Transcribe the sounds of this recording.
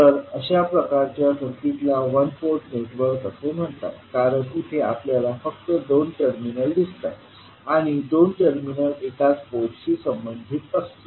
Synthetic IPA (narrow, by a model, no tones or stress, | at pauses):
tt̪əɾəɕapɾəkaɾt͡ɕjasʰəɾkit̪laʋənpoɾʈneʈʋəɾkəsəm̤əɳt̪a̰t̪kaɾəɳkut̪ʰea̰pljalafək̚t̪əd̪onʈəɾminəld̪ist̪at̪ | aɽ̃id̪onʈəɾminəlekat͡spotɕisəmbənd̪ʱit̪əst̪o